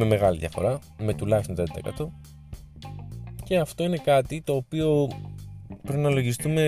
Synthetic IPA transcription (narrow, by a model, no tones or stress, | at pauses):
me̞me̞ɣɐliðjɐ̰fo̞̰ɾɐ | me̞t̪ulɐçst̪onɾed̪ɐ̰ḛkɐ̰t̪o̞ | ce̞ɐft̪o̞ine̞kɐt̪it̪o̞ːpio̞ | pɾpnɐlo̞ʝist̪ume̞